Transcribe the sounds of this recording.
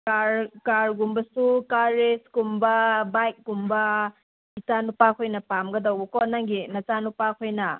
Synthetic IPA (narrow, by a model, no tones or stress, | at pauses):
kaɾkaɾɡumbɐsukaɾeskumbɐbajk̚ɡumbɐ | it͡ʃanupakʰojnɐpamɡɐdɐwbɐkɔnaŋɡinɐt͡ʃanupakʰojnɐ